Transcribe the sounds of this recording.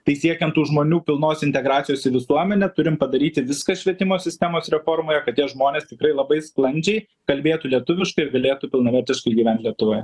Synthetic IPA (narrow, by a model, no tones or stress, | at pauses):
t̪ɐɪsʲiɛkʲɛnt̪tːuːʒmoːnʲuːpʲɪlˠnoːsʲɪnʲt̪ʲɛɡɾɑːt̪sʲɪjoːsɪʋʲɪsuɔmʲɛnʲɛt̪ʊɾʲɪmpɐd̪ɐɾʲiːt̪ʲɪʋʲɪskɐʃʲʋʲiɛt̪ʲɪmoːsʲɪsʲt̪ʲæmoːsɾʲɛfoːrmoːjɛkɐt̪tʲiɛʒmoːnʲeːst̪ʲɪkɾɐɪlˠɐbɐɪsklˠɐnʲd͡ʒʲɛɪ | kɐlʲbʲeːt̪uːlʲiɛt̪ʊʋʲɪʃkɐɪɪɾɡɐlʲeːt̪uːpʲɪlˠnɐʋʲɛɾʲt̪ʲɪʃkɐɪɡʲiːʋɛnt̪lʲiɛt̪ʊʋoːjɛ